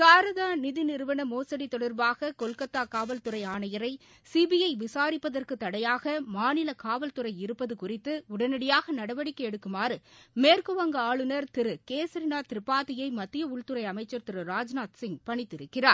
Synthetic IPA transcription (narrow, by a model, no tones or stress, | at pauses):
saːɾɐðaːnɪðɪnɪɾɯʋɐnɐmoːsɐɽit̪ɔɽɐɾbaːɣɐkɔlkɐt̪ːaːkaːʋɐlt̪ɯɾɐɪaːɳɐjɐɾɐɪ | siːbɪjɐɪʋɪsaːɾɪpːɐðɐrkɯt̪ːɐɽɐjaːɣɐmaːnɪlɐkaːʋɐlt̪ɯɾɐɪɪɾɯpːɐðɯkʊrɪt̪ːɯʊɽɐnɪɽɪjaːɣɐnɐɽɐʋɐɽɪkːɐɛɽɯkːɯmaːɾɯmeːrkɯʋɐŋɡɐaːɭɯnɐɾt̪ɪɾɯkeːsɐɾɪnaːt̪ɪɾɪpːaːðɪjɐɪmɐt̪ːɪjɐʊɭt̪ɯɾɐɪɐmɐɪt͡ʃːɐɾt̪ɪɾɯɾaːd͡ʒnaːt̪sɪŋpɐɳɪt̪ːɪɾɯkːɪraːɾ